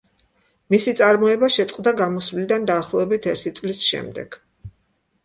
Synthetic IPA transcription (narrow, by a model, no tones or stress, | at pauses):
misit̪sʼaɾmɔɛbaʃɛt̪sʼqʼd̪aɡamɔsvlid̪and̪aːχlˠɔɛbit̪ʰɛɾt̪ʰit̪sʼlisʃɛ̰md̪ɛ̰ɡ̥